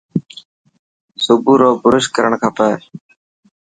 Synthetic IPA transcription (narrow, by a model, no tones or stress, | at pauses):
sʊbuːɾoːbʊɾʊʃkəɾəɳkʰãːpəː